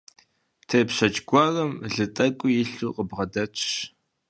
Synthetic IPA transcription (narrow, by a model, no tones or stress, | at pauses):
tʰepɕɐt͡ʃɡʷɔrɐmɮɨtʼɐkʷʼʊjɪɬuːqəbʁɐdɐt͡ʃʰɕ